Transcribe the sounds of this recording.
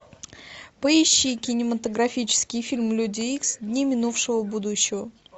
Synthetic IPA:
pəɪɕːikʲɪnʲɪmət̪əɡɾɐfʲit͡ɕɪ̥skʲɪjfʲilʲmlʲudʲɪiksd̪ʲnʲimʲɪnufʂɨvəbud̪ʊɕːɪvə

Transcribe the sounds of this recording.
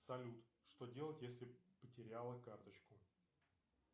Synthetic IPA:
sɐlʲut̪ʂt̪o̞dʲe̞lˠətʲjesʲlʲɪpətʲɪɾʲalˠəkart̪ət͡ɕkʊ

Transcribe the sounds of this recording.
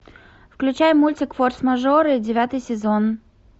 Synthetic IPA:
fklʲʉt͡ɕajmːulʲtʲɪkforsmɐʐoɾɨdʲɪvʲat̪ɨjsʲɪzon

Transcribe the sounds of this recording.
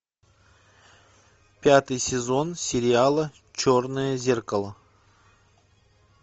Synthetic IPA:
pʲat̪ɨjsʲɪzo̞nsʲɪɾʲɪalˠə | t͡ʃornɨjəzʲerkəlˠə

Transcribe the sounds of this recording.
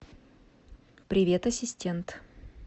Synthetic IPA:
pɾʲɪvʲet̪ɐsʲɪsʲtʲent̪

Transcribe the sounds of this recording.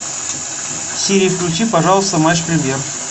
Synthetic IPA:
fsʲiɾʲiːfklʲʉt͡ɕipɐʐɑlˠəst̪əmaʂpɾʲɪmʲjer

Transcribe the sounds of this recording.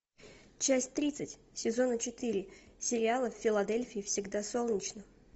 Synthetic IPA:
t͡ɕæsʲtʲt̪ɾʲit̪sɨtʲ | sʲɪzo̞nət͡ɕɪt̪iɾʲɪsʲɪɾʲɪalˠəfʲːɪlˠɐd̪elʲfʲɪːfsʲɪɡd̪aso̞lˠnʲɪt͡ɕnə

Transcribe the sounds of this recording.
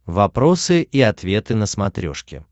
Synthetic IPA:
vɐpɾo̞sɨʔiɐt̪vʲe̞t̪ɨnəsmɐt̪ɾʲo̰ʂkʲɪ̰

